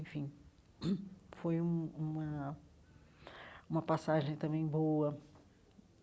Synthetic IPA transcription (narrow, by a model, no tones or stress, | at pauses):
ẽfĩ | fojũũmɐ | ũmɐpasaʒẽj̃t̪ɐ̃mbẽj̃boɐ